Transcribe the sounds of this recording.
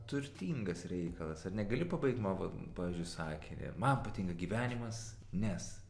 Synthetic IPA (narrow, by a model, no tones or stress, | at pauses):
t̪ʊɾʲt̪ʲiːŋɡɐsɾʲɛɪkɐlˠɐsɐrnʲɛɡɐlʲɪpɐbɐɪk̚t̪mɑːʋo̰pɑːʋʲiːzʲd͡ʒʲʊɪsɑːkʲɪnʲɛ̰mɐnpɐt̪ʲiŋkɐɡʲiːʋʲæːnʲɪmɐs | nʲɛs